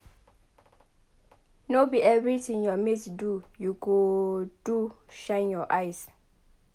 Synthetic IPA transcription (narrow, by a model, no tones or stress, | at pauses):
nobiɛvɹitĩŋjɔmitdujukud̥u | ʃãjnjɔʔajs